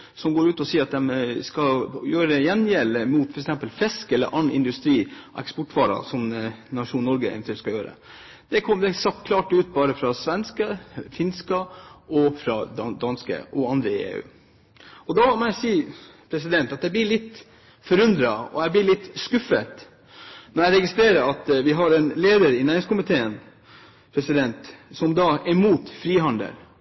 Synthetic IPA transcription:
sɔmɡoːɾʉːt̪ɔsiːɾɑt̪̚d̪ɛmskɑjøːɾəjɛnjɛlːəmuːt̪fɔɾɛksɛmpəlfɛskɛlːə̰ɾʔɑnʔɪ̰nd̪ʉst̪ɾḭːʔɛ̰kspɔʈːʋɑːɾɑ̰sɔmnɑʂuːnnːɔɾɡəɛ̰nt̪ʰɛlskɑjøːɾə̰ | d̪̥ɛkʰɔmd̪ɛsɑkkʰlɑːʈʉːt̪bɑːɾəfɾɑsʋɛnskəfɪnskɑʔɔfɾɑd̪ɑd̪ɑnskə̰ʔɔɑnd̪ɾəḛːʉ̰ː | ɔd̪ɑmɔjæɪsiːə | pʰɾɛs̬ɪd̪ɛnt̪ɑt̪̚d̪ɛɪblɪɭɪt̪ː | fɔɾʉnd̪ɾɑɔ̰jæɪblɪɭɪt̪ːskʉfət̪ | nɔɾjæɪɾɛɡɪst̪ɾeːɾəɾɑt̪ʋɪɦɑɾɛnleːd̪əɾɪnæːɾɪŋskʊmɪt̪ʰeːən | pʰɾɛsɪd̪ɛnt̪sɔmd̪ɑɛmuːt̪fɾiːɦɑnd̪ə̰l

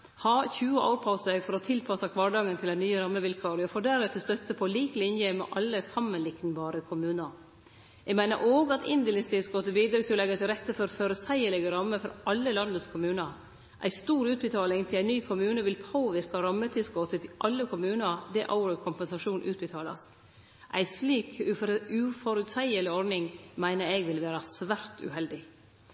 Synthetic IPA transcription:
hɑːçʉːəʔo̰ʊɾpʰɑʊsəɛɡfɔɾɔt̪ʰɪlpʰɑsɑkʰʋɑːɖɑːŋːənt̪ʰɪlæɪnyːəɾɑmːəʋɪlkʰɑːɾɪɔfoːɖæɾɛt̪ʰɪst̪œt̪ːəpʰɔːliːklɪnjɛmɛ̰ʔɑlːəsɑmːənlɪk̪nbɑːɾəkʰʊmʉːnəɾ | ɛɡmæɪnə̰ʔoːɡɑt̪ɪnd̪əlɪŋst̪ʰɪlskoːt̪əbiːd̪ɾʏkt̪ʰɪlɔlɛɡːət̪ʰɪlɾɛt̪ːəfɔɾføɾəsæɪəɭɛɡəɾɑmːəfɔɾʔɑlːəlɑnd̪əskʰʊmʉːnəɾ | ʔæ̰ɪst̪uːɾʉːt̪̚bət̪ʰɑːlɪŋt̪ʰɪlæɪnyːkʰʊmʉːnəʋɪlpʰoːʋɪɾkɑɾɑmːət̪ʰɪskoːt̪ʰət̪ʰɪʔɑlːəkʰʊmʉːnəd̪ɛʔɑ̰ʊɾɔkʰʊmpɛnsɑʂuːnʔʉːt̪̚bət̪ʰɑːlɑ̰st̪ | ʔæ̰ɪsliːkʉfɔɾʉt̪sæɪəlɪɔɾnɪŋmæɪnəɾɛɡʋɪlʋeːɾɑsʋæɾt̪ʰʉ̰hɛld̪ɪ

